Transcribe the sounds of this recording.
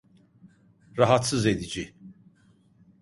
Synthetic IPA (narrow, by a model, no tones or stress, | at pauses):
ɾaɦat̪sɯzed̪id͡ʒi